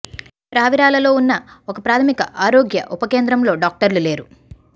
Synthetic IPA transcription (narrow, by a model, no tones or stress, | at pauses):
pɾaːʋiɾaːlɐlo̞ːunːɐɔkɐpɾaːt̪ʰɐmikɐʔaːɾo̞ːɡjɐʔupɐke̞ːnd̪ɾɐmlo̞ːɖaːk̚ʈɐɾlule̞ːɾu